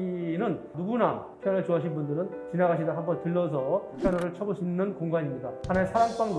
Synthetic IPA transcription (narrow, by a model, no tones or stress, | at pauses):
inɯnnuɡunapʰjʌnʌɭt͡ɕoɦaɕʰinbundɯɾɯn | t͡ɕinaɡaɕʰidaɦambʌntɯɭːʌsʰʌpʰjʌnʌɾɯɭt͡ɕʰʌboɕʰinːɯnkoŋɡaɲimɲidahanaesʰaɾaŋp͈aŋd